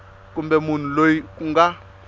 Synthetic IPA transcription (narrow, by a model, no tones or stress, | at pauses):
kumbɛmun̤ulojikuŋɡa